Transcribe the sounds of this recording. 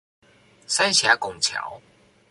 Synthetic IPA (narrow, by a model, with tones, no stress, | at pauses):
sa˥nɕja˨˥kʊ˨˩ŋt͡ɕʰja̰˨˩˦w